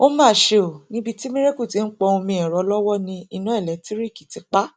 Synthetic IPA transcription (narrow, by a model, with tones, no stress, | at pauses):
o˦mãː˦˨ʃe˧o˨nĩ˦bi˧ti˦mĩ˦ɾe˦ku˦˨ti˨˦n̩˦k͡pɔ˧o˧mĩ˧ɛ˨ɾɔ˨˧˦lɔ˦wɔ˦nĩ˧i˧nã˨˦ɛ˦˨lɛ˨˦ti˦ɾi˦˨ki˨ti˨˧k͡pa˦